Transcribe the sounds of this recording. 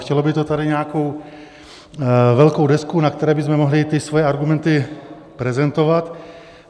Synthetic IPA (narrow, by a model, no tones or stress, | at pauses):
xcɛlo̞bɪt̪ot̪adɪɲɛako̞w | vɛlkowdɛskunakt̪ɛɾɛːbɪzmɛmo̞ɦlɪt̪ɪsvojɛaɾɡumɛnt̪ɪ | pɾɛzɛnt̪o̞vat̪